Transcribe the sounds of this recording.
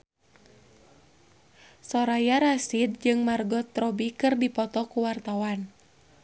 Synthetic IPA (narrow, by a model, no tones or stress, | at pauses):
sɔɾajaɾasid̪̚d͡ʒɨŋmarɡɔt̪ːɾɔbikɨrdipɔt̪ɔkuwart̪awan